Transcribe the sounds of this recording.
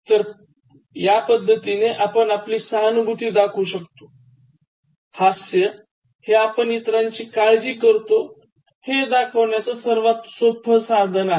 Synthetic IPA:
t̪əɾ | japəd̪ʱːət̪ineʔapənapliːsanubʱut̪iːd̪akʰuɕəkt̪o | hasjə | heapəɳit̪ɾaɲt͡ɕiːkaɭd͡ʑiːkəɾt̪o | hed̪akʰəʋɳjat͡sasəɾʋat̪sobʱəsad̪ʱəna

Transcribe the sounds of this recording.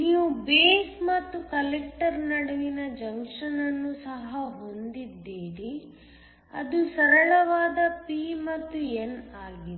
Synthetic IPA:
niːʋubeːsmɐt̪ːukɐlek̚ʈɐɾnɐɽɐʋinɐd͡ʒɐŋkʂɐnɐnːusɐɦɐɦo̞nd̪id̪ːiːɾi | ɐ̰d̪usɐɾɐɭɐʋaːd̪ɐpiːmɐt̪ːuenaːɡin

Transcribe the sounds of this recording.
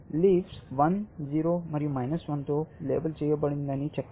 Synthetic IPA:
liːfsʋɐnziːɾomɐɾjũmajnəsʋɐ̃nt̪olḛːbəlt͡ʃejəbəɽĩnd̪anit͡ɕʰɐkː

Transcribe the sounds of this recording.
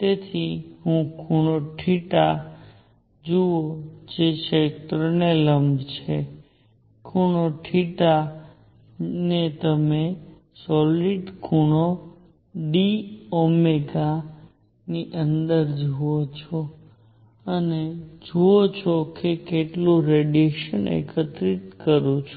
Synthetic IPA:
t̪et̪ʰiɦũkʰuɽ̃oʈʰiʈa | d͡ʒuod͡ʒeʃet̪ɾəneləmbt͡ʃʰe | kʰuɽ̃oʈʰiʈa | net̪əme | sɔliɖkʰuɳ̃o | ɖiɔmeɡa | niʔənd̪əɾd͡ʒuot͡ʃʰo | əned͡ʒuot͡ʃʰokekeʈloɾeɖieʃənḛkʰət̪ɾit̪kəɾut͡ʃʰu̥

